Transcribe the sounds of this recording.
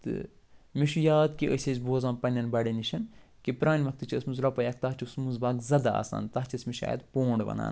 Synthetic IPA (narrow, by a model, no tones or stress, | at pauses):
t̪ɨ̰ | miʃujaːd̪kiʔəsʲezʲboːzãːnpɐnʲɐnbɐɽeniʃɐnkipɾaːnʲʋɐk̚t̪ɨt͡ʃʰiɐsmuzlɐpɐjɐk̚t̪ɐɦt͡ʃʰismuzbaːɡzɐd̪aa̰ːsa̰ːnt̪ɐɦt͡ʃʰɐsmiʃa̰ːjɐ̰d̪poːɳɖʋɐ̰na̰ːn